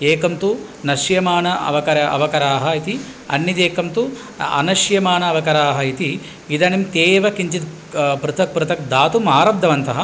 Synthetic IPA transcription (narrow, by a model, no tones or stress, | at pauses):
eːkɐmt̪u | nɐʃjɐmaːnɐɐ̰ʋɐkɐɾɐʔɐ̰ʋɐkɐɾaːɦɐit̪iɐ̰nːit̪eːkɐmt̪u | ɐ̰nɐʃjɐmaːnɐːʋɐkɐɾaːɦɐit̪i | id̪ɐnimt̪eːʋɐkiɲt͡ʃit̪ | pɾut̪ʰɐk̚pɾut̪ʰɐk̚d̪aːt̪umaːɾɐb̚d̪ʱɐʋɐnt̪ɐɦɐ